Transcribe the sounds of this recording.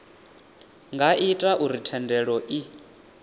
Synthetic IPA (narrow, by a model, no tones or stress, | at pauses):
ŋɡaʔitʼaʔuɾitʰɛndɛɺɔʔi